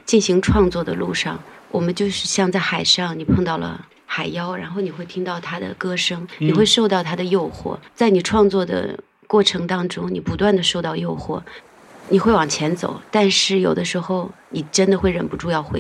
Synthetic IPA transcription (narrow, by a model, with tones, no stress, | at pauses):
t͡ɕi˥˩nɕi˧˥ŋʈ͡ʂʰwɑ˥˧ŋt͡swɔ˥˩d̪ə˩lu˥˧ʂɑ̰˥˩ŋ | wʔɔ˨˩mə˦nt͡ɕjo˥˧ʊʂɻ̩˥˧ɕjɑ˥˧ŋt͡sa˥˩ɪxa˨˩ɪʂɑ˥˩ŋni˨˩pʰɤ˥˧ŋt̪ɑ˥˩ʊlə̰˩ | xa˨˩ɪjɑ˥ʊɻa̰˧˥nxo˥˩ʊni˨˩xwe˥˩ɪt̪ʰi˥ŋt̪ɑ˥˩ʊt̪ʰa˥d̪ə̰˨kɤ˥ʂɤ˥ŋnni˨˩xwe˥˧ɪʂo˥˧ʊt̪ɑ˥˩ʊt̪ʰa˥d̪ə˨jo˥˧ʊxwɔ̰˥˩t͡sa˥˩ɪni˨˩ʈ͡ʂʰwɑ˥˧ŋt͡swɔ˥˩d̪ə̰˩ | kwɔ˥˩ʈ͡ʂʰɤ˧˥ŋt̪ɑ˥ŋʈ͡ʂʊ˥ŋni˨˩pu˧˥t̪wa˥˩nd̪ə˩ʂo˥˧ʊt̪ɑ˥˧ʊjo˥˧ʊxwɔ̰˥˩ | ni˨˩xwe˥˩ɪwɑ˨˩ŋt͡ɕʰjɛ˧˥nt͡so̰˨˩˦ʊt̪a˥˧nʂɻ̩˥˩jo˨˩ʊd̪ə˦ʂɻ̩˧˥xo˥˧ʊni˨˩ʈ͡ʂə˥nd̪ə˨xwe˥˩ɪɻə̰˨˩npu˧˥ʈ͡ʂu˥˧jɑ˥˧ʊxwe˧˥